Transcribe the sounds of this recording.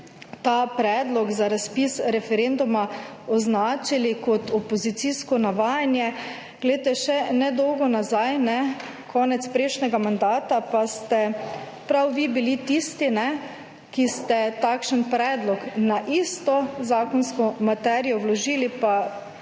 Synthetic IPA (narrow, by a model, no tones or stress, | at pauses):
t̪apɾɛːd̪lɔɡzaɾaspisɾɛfɛɾend̪uma | ɔznaːt͡ʃilikɔt̪ɔpɔzit̪siskɔnaʋaːjanjɛ | ɡ̥lɛt̪ɛʃɛnɛd̪ɔwɡɔnazajnɛ | kʰɔːnɛt̪spɾɛʃnɛɡamand̪aːt̪apast̪ɛ | pɾawʋibilit̪ist̪inɛ | kist̪ɛt̪akʃənpɾɛːd̪lɔknaʔist̪ɔzaːkɔnskɔmat̪ɛɾijɔwlɔʒiːlipa